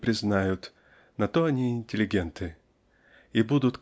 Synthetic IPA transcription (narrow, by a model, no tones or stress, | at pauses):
pɾʲɪznajʊt̪ | nɐt̪oɐnʲiɪnʲtʲɪlʲɪɡʲent̪ɨ | ibud̪ʊt̪